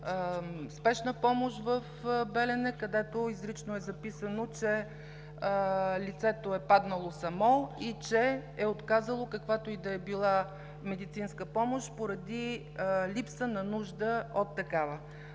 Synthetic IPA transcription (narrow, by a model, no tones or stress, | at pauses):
spɛʃnəpɔmoʃvəfbɛlɛnɛkɐd̪ɛt̪oizɾit͡ʃnoɛzɐpisənot͡ʃɛ | lit̪sɛt̪oɛpad̪nəlˠosɐmɔit͡ʃɛɛot̪kazəlˠokɐkvat̪oid̪ɐɛbilˠa | mɛd̪it̪sinskəpɔmoʃpoɾɐd̪i | lipsənɐnuʒd̪əot̪ːɐkavə